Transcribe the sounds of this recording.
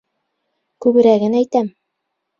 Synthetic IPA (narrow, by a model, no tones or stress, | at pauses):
kʉβɘ̆ɾæɡɘnæjt̪æm